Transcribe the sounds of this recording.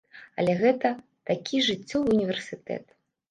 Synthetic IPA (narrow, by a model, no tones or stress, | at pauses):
ɐ̰lʲɛɣɛt̪ɐ | t̪akʲiʐɨt͡sʲːɔvɨunʲivʲɛrsʲɨt̪ɛ̰t̪